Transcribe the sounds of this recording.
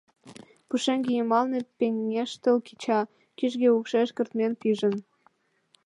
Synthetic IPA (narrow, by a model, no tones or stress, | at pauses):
puʃeŋɡijemɑlnepeŋːeʃt̪ə̆lkit͡ɕɑ | kiʒɣeukʃeʃkə̆rt̪menpiʒə̆n